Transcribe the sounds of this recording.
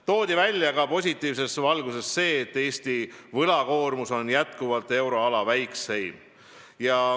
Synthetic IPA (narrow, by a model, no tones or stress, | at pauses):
t̪o̞ːd̪̥ivælʲːjɑkɑpo̞sʲit̪ːˑiːvs̬e̞svɑlɡuse̞sːe̞ːt̪ːe̞ːst̪ivɤlɑko̞ːrmuso̞njæt̪kuvɑlt̪ˑe̞wɾo̞ɑlɑvæjkse̞jm | jɑ